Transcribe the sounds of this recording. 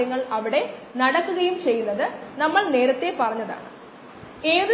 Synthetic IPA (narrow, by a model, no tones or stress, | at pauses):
jɐŋːɐɭɐʋiɽe̞nɐɽɐkːuɣɐjumt͡ɕe̞jːunːɐðɨnɐmːɐɭne̞ːɾɐt̪ːe̞pɐrɐɲːɐða̰ːɳɨ̰ | e̞ːð